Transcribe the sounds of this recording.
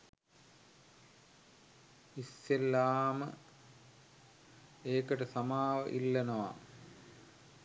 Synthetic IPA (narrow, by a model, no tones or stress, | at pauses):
isːelːaːmə̰ | eːkɐʈəsɐmaːʋə̰ʔilːɐnoʋa̰